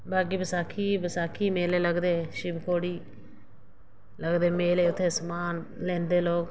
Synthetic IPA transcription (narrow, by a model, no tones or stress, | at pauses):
baːɡiːbəsaːkʰiːbəsaːkʰiːmeːleːləɡd̪eːʃɪmkʰoːɽiː | ləɡd̪eːmeːleːʊt̪ʰːeːsəmaːnlɛ̃ːnd̪eːloːk